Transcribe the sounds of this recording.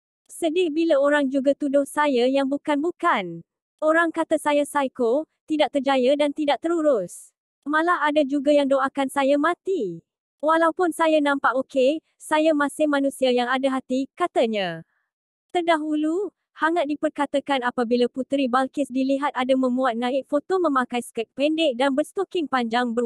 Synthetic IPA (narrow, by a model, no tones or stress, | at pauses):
sədɪhbilaoɾaŋd͡ʒuɡat̪udʊhsajajaŋbukanbukan | oɾaŋkat̪əsajasajkot̪idaʔ̚t̪ərd͡ʒajadant̪idaʔ̚t̪əɾuɾʊs | mãlahadad͡ʒuɡajaŋdoʔakansajamãt̪i | walawpʊnsajanãmpaʔokʰe | sajamãsɪhmãnũsiajaŋadaɦat̪ikat̪aɲã | t̪ərdaɦulu | haŋaʔ̪̚dipərkat̪akanapabilaput̪ɾibalkɪsdiliɦat̪̚adamə̃mbuat̪̚nãɪk̚fot̪omə̃makajskɛt̪̚pɛndɪk̚danbərst̪okɪŋpaɲd͡ʒaŋbə